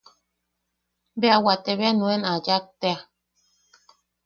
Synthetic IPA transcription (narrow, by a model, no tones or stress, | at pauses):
beawat̪eβeanũɛnad͡ʒak̚t̪ea